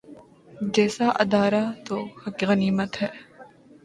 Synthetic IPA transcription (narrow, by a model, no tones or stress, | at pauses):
d͡ʒɛːsaʔɐ̰d̪aːɾat̪oːxɐkɣɐniːmət̪ɦɛː